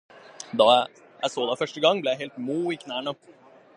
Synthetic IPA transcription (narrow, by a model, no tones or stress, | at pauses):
d̪ɑ | jʔæ̰ɪsoːd̪ɛfœʂʈəɡɑŋblɛjæɪɦɛːlt̪muːɪkʰnæːɳə